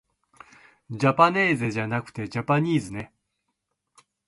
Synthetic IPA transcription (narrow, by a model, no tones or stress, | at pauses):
d͡ʑapanʲe̞ːzɨʑanakɯ̟̥t̪e̞d͡ʑapaɲ̟iːzɨne̞